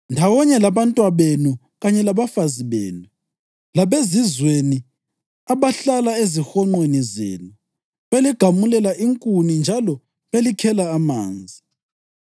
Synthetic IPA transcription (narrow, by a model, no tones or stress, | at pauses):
ndʱawɔɲɛlaβantʼwaβenu | ɣaɲɛlaβafaziβḛːnu | laβezizweni | aβaɬalaezixɔŋ͡ǃwenizḛːnu | βeliɡ̥ʱamulɛlaʔiŋkʼunind͡ʒʱalɔ | βelikʰɛlaːma̰ːnd͡zʱi